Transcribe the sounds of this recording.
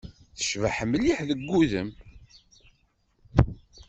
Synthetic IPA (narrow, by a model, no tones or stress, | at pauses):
θə̥ʃvaħəmːliħðəɡːuðə̰m